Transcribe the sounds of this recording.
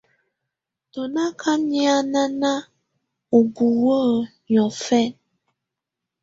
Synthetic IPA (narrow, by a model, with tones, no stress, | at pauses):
tɔ˨na˦kʰa˦ni˦a˦na˦na˦ | o˨bu˨wə˦ | ɲɔ˨fɛ˦˨n